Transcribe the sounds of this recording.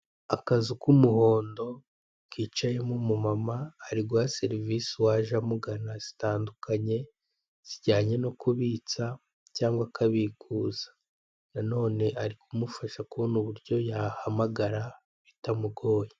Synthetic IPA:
akazikumuho̞ːndo̞ | kiːt͡ʃaje̞mumumamaːɾiɡwase̞ɾivisiwaʒamuɡanaz̥i̥taːndukaɲe̞ | z̥iɟaːɲe̞no̞kuβiːt͡sa | caːŋɡwakʰaβikʰuːzḁ | nano̞ːne̞ʔaɾikumufaʃakunuβuɾɟo̞jahamaɡaɾa | βitamuɡo̞ːje

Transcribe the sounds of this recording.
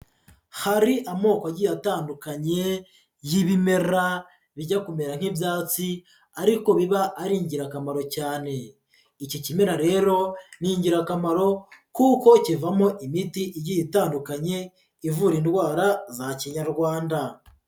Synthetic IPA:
haɾiʔamo̞ːkaɟijataːndukaɲe̞ | jiβime̞ɾa | βiɟakume̞ɾan̥hibjaːt͡si | aɾiko̞βiβaʔːɾiːɲɟiɾakamaɾo̞caːne̞ | icocime̞ɾaɾe̞ːɾo̞niɲɟiɾakamaɾo̞kuko̞civamo̞ʔimitiʔiɟijitaːndukaɲe̞ | ivuːɾiːndɡwaːɾazaciɲaɾɡwaːnda

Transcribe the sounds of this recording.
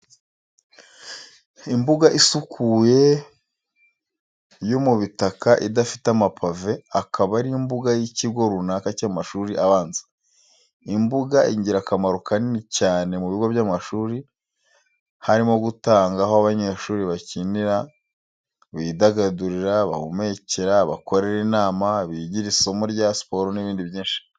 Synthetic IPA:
imbuɡaʔisukʰuje̞ | jomuβitakaʔidafitamapʰave̞akaβaɾimbuɡajiciɡo̞ɾunakacaːmaʃuːɾiʔaβaːnzḁ | imbuɡaʔiɲɟiɾakamaɾokaninicaːne̞muβiɡo̞βjaːmaʃuːɾi | haɾimo̞ɡutaːŋɡaɦo̞aβaɲe̞ːʃuːɾiβaciniɾa | βidaɡaduɾiɾaβa̰home̞ceɾaβa̰ko̞ɾe̞ɾinaːmaβiɟiɾisomuɾjaspo̞ɾoniβiːndiβjiːnʃi̥

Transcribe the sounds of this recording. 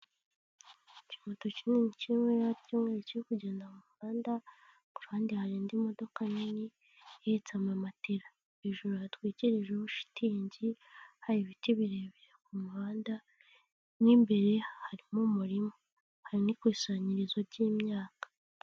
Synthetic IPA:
cimoto̞cininicimeɾacuːŋeɾecijekuɟe̞ːndamumuaːnda | ku̥ɾuhaːndihaɾiːndimo̞do̞kanini | eit͡samamatiɾa | βiʒuɾujatwiːciɾiʒeβuʃi̥tiːɲɟi | haɾiβitiβiɾe̞ːβeɾekumuβaːnda | niːmbe̞ɾe̞haɾimumuɾimo | haɾinikwiːsaɲiɾizoɾɟiːmɲaːkḁ

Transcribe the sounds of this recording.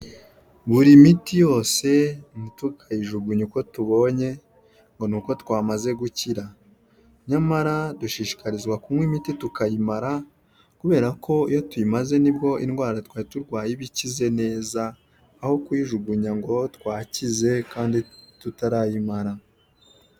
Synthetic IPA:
βuɾimitijo̞ːse̞nitukʰajiʒuɡuɲuko̞tuβo̞ɲe̞ | ŋɡo̞nuːko̞tkwaːmaze̞ɡuciɾa | ɲamaɾaduʃiːʃi̥kaɾizɡwakumŋwemititukajimaɾa | kuβe̞ːɾakʰo̞ijo̞tuimaze̞nibɡo̞ʔinɡwaːɾatkwaːituɾɡwaːjiβicize̞ne̞ːzaː | ho̞kwiʒuɡuɲaŋɡo̞tkwaːcize̞kaːnditutaɾajimaɾa

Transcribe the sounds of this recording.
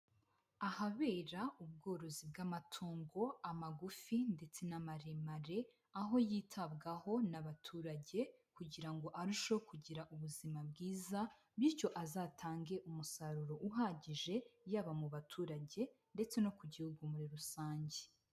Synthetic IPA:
ahaβe̞ːɾaub̚ɡo̞ːɾo̞zibɡamatʰoːŋɡo̞amaɡufinde̞t͡se̞namaɾemaɾe̞ | aɦo̞jiːtʰabɡaho̞naβatʰuːɾaɟe̞ | kuɟiɾaŋɡo̞ʔaɾuʃokʰuɟiɾaʔuβuzimabɡiːza | biɾco̞ʔazaːtʰaːŋɡe̞ʔumusaɾuɾo̞ʔuɦaːɟiʒe̞jaβamuβatʰuːɾaɟe̞ | nde̞t͡se̞no̞kuɟihuɡumuɾiɾusaːɲɟe

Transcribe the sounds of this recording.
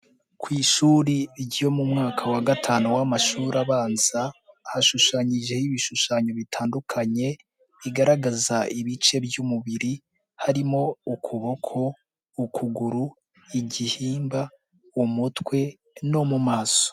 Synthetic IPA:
kwiːʃuːɾiɾɟjo̞mumŋaːkʰawaɡatʰaːnuwamaʃuːɾaβaːnz̥a | haʃuʃaɲiʒe̞hiβiʃuʃaɲo̞βitʰaːndukʰaɲe̞ | iɡaɾaɡazaiβit͡ʃe̞bjumuβiɾi | haɾimo̞ukʰuβo̞kʰo̞ː | kʰuɡuɾu | iɟihiːmba | umutwe̞ | no̞mumaːso̥

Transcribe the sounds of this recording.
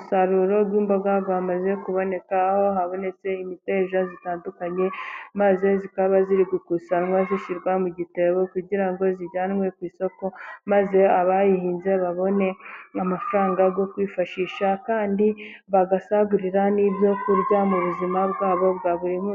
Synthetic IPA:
saɾuɾo̞bɡwiːmboɡaɡoamaze̞kuβo̞ne̞kaho̞ɦaβo̞ne̞se̞imite̞ːʒazitaːndukaɲe̞maze̞zikaβaziɾiɡukusanŋwaziʃiɾɡwamuɟite̞βo̞kuɟiɾaŋɡo̞ziɟaːnwe̞kwiːso̞ko̞maze̞aβajihiːnze̞βaβo̞ne̞amafɾaːŋɡaɡo̞kwiːfaʃiːʃakaːndi | βaɡasaβuɾiɾaniːbjo̞kuɾɟamuβuzimabɡwaːβo̞βɡaβuɾim

